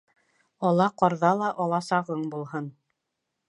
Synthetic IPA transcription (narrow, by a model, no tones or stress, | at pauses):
ɒlˠɑqɑɾðɑlˠɑʔɑlˠɑsɑʁɤɴbulˠhɤn